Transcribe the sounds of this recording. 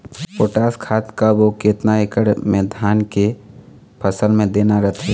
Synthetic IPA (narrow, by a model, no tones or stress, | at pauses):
poːʈaːskʰaːt̪kaboket̪naekəɽmẽːd̪ʱaːnke | pʰəsəlmẽd̪eːnaɾɐt̪ʰe